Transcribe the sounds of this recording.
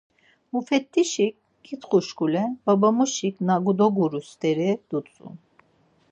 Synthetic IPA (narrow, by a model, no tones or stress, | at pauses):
mufɛt̪ːiʃik̚ | ɡit̪χuʃkulɛbabamuʃiknaɡud̪ɔɡuɾust̪ɛɾid̪̥ut͡sʼṵm